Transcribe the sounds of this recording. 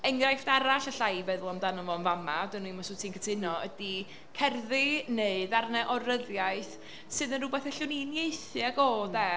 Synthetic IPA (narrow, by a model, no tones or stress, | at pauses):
ɛŋrajfd̥aɾaɬaɬajvɛðlˠɔmdanɔvɔnvamadɨnwimɔsʊtʰiŋkʰətʰɪnɔədi | kʰɛrðɨneɨðarnɛʔɔɾəðjajθ | sɨðənrʊbɛθɛɬʊninjejθɨaɡoːdɛ